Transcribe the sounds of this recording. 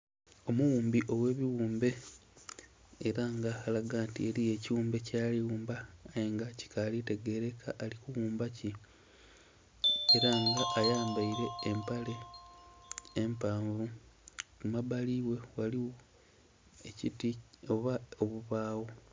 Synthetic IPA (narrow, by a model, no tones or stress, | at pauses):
o̞muwuːmbiʔo̞we̞ːβiwuːmbe̞ | ɾaŋɡaːxalaɡaːntieɾije̞ciwuːmbe̞caːliwuːmbaːjeŋɡaci̥kalite̞ɡe̞ɾe̞kʰa̰ʔːlikuwuːmbaci | eɾaŋɡaʔːjaːmbaiɾe̞ːmpale̞ | empaːɱvukumaβaliːwe̞waliwo | e̞citioβaoβuβaːwo